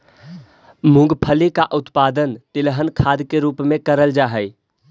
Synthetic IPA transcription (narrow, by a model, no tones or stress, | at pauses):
mũɡpʰəlikaʔʊt̪pad̪ənt̪ɪlɦənkʰad̪keɾupmẽkəɾəld͡ʒaɦəj